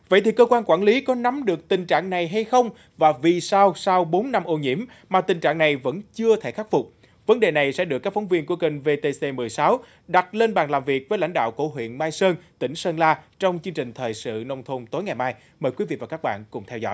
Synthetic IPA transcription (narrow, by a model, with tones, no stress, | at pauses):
və̰˧˨jt̪ʰi˨˩kəː˧kwaː˧nkwaː˧˩nli˨˦kɔ˨˦na˨˦mɗɨ˨˩ək̚t̪ï˨˩ŋ̟t͡ɕa̰ː˧˨ŋna˨˩jɦa˧jxə˧wŋ͡m | vaː˨˩vi˨˩saː˧wsaː˧wɓo˨˦nːa˧mʔo˧ɲḭ˧˥əm | maː˨˩t̪ï˨˩ŋt͡ɕa̰ː˧˨ŋna˨˩jvə̰˧˥nt͡ɕɨ˧ət̪ʰe˧˩xa˦˥t̚fʊ˨˩k͡p̚ | və˨˦nɗe˨˩na˨˩jsɛ̰˧˥ɗɨ˨˩kːaː˦˥k̚fɔ˨˦wŋ͡mvi˧ənku˧˩əkə˧˩ŋve˧t̪e˧se˧mɨ˨˩əjsaː˨˦w | ɗa˨˩t̚le˧nɓaː˨˩nlaː˨˩mvi˨˩ək̚vəː˨˦la̰˧jŋ̟ɗa̰ː˧˨wko˧˩ɦwḭ˧˨ənmaː˧jsəː˧nt̪ï˧˩ŋ̟səː˧nlaː˧t͡ɕɔ˧wŋ͡mt͡ɕɨ˧əŋt͡ɕï˨˩ŋ̟t̪ʰəː˨˩jsɨ̰˧˨nə˧wŋ͡mt̪ʰo˧ŋ͡mt̪o˨˦jŋa˨˩jmaː˧j | məː˨˩jkwi˨˦vḭ˧˨vaː˨˩kaː˦˥k̚ɓa̰ː˧˨nkʊ̰˧˩ŋ͡mt̪ʰɛ˧wzɔ̰˧˥˨j